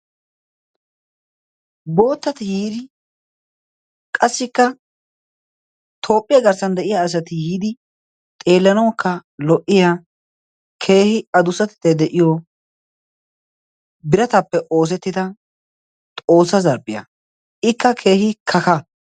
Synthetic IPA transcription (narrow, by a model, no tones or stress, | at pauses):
bo̞ːt̪ːɐt̪ɪjiːd̪ɪ | kʼɐsːɪkːɐ | t̪ʰo̞ːpʼːɪjɐɡɐɾsɐnd̪ɛʔɪjaːs̬ɐt̪ɪhiːd̪ɪ | t̪ʼe̞ːlːɐnɐwkʰːɐlɔʔɪjaː | kʰe̞ːhɪɐd̪ʊsɐt̪ɪ̥t̪ːɛd̪ɛʔɪjɔ | bɪɾɐt̪ɐpːɛʔoːs̬ɛt̪ːɪd̪ɐ | t̪ʼo̞ːsːɐzɐɾpʼːɪjɐ̰ | ɪkːɐkʰe̞ːhɪkʰɐkɐ